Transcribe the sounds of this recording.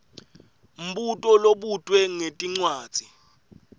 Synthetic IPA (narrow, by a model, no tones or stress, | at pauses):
m̩ɓutʼɔloɓud̥ʱwɛŋetʼiŋ͡ǀwaːd̥ʱi